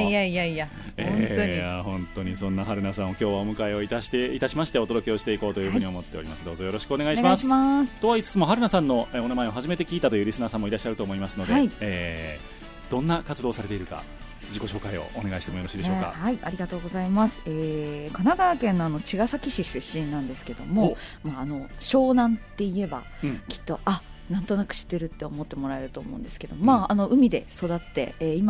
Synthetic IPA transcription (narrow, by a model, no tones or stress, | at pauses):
ijaijaija | eojahõ̞nt̪o̞ɲ̟isõ̞nːaɦaɾɯ̟nasãɰ̃o̞kʲo̞ːβaomɯ̟kaeo̞it̪aɕt̪eit̪aɕimaɕi̥t̪e̞o̞t̪o̞d̪o̞kʲio̞ɕi̥t̪e̞iko̞ːt̪ojɯ̟ːhɯ̟ɲiaomo̞t̪ːe̞o̞ɾʲḭmasɨd̪o̞ːzojo̞ɾo̞ɕi̥kɯone̞ɡaiɕimasast̪o̞βait͡sɨ̥t͡sɨmo̞ɦaɾɯ̟nasãnːo̞eonamae̞o̞ɦaʑime̞t̪e̞kʲiːt̪at̪ojɯ̟ɾʲisɨnaːsãmːo̞iɾaɕːaɾɯ̟t̪oːmo̞imasɨno̞d̪e̞ieː | d̪̥õ̞nːakat͡sɨd̪oːsaɾe̞t̪eiɾɯ̟ka̰ | d͡ʑiko̞ɕo̞ːkaio̞̰one̞ɡaiɕi̥t̪eojoɾoɕiːd̪eoka̰haiaɾʲiɡat̪o̞ːɡo̞zaimasɨ̥eːkanaɡaːkẽ̞nːo̞ano̞t͡ɕiɡasakʲiɕiɕɨɕːĩnnãnd̪esɨ̥ke̞d̪o̞̰mo̞maːno̞ɕo̞ːnãnt̪ːe̞ie̞ba̰ | kʲi̥t̪ːo̞ʔa | nãnt̪o̞nakɯ̟̥ɕi̥t̪ːe̞ɾɯ̟t̪ːe̞o̞mo̞t̪ːe̞mo̞ɾae̞ɾɯ̟t̪o̞ːmõ̞̰nd̪e̞sɨ̥ke̞d̪o̞momaano̞ʔɯ̟mʲid̪e̞so̞d̪at̪ːe̞̰ːima